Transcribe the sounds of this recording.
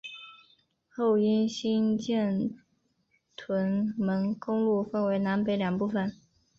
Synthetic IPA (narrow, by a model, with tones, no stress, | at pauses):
xo˥˩ʊi˥nɕi˥nt͡ɕjɛ˥˩n | t̪ʰwə˧˥nmə˧˥nkʊ˥ŋlu˥˧fə˥˩nwe˧˥ɪna˧˥npe˧˥ɪljɑ˨˩ŋpu˥˩fə˨˩n